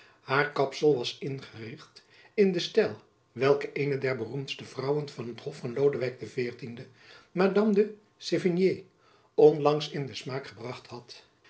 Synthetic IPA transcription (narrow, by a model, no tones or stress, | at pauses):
haːɹkɑpsəlˠʋɑsɪnχərɪχt | ɪndəstɛlˠ | ʋɛlˠkəʔejnədɛɹbərumtstəv̥rʌwənv̥ɑnɦəthɔfɑnlowdəʋɛjk̚dəvɪːɹtində | madɑmdə | sevənje | ɔnlɑŋsɪndəsmaːkχəbrɑχthɑt